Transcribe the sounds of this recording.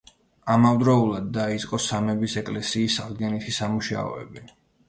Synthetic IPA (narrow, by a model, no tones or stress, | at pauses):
amavd̪ɾɔulˠad̪ːait̪sʼqʼɔsamɛbisɛkʼlɛsiːsaʁd̪ɡɛnit̪ʰisamuʃa̰ɔ̰ɛ̰bi